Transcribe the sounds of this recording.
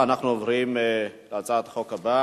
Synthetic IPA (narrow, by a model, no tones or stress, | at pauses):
anaχnuovʁimleat͡sat̪ḁχokaba